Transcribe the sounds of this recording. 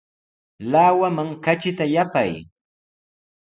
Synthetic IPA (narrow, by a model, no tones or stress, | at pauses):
laːwamaŋkat͡ʃɪt̪ajapaj